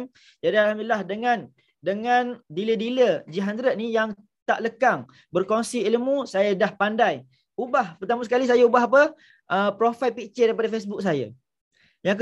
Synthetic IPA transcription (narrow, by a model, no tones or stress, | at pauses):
d͡ʒadialɦamdulilahdəŋãn | dəŋãndilədiləd͡ʒiɦand̪ɾət̪̚nijaŋ | t̪aʔləkaŋ | bərkoŋsiilmũsajadahpandaj | ubahpərt̪amusə̥kalis̬ajaubaɦap̬ə | ʔəpɾofalpit͡ʃədaipadafesbuk̚s̬aja̰ | jaŋk